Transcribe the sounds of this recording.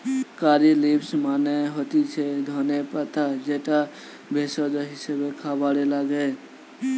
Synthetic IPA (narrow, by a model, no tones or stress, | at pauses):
kaːɾilipsmaːneɦoːt̪it͡ʃʰed̪ʱoːnepət̪ad͡ʒeʈa | bʱeːsod͡ʒ̪oɦɪsebekʰaːbaːɽelaɡəe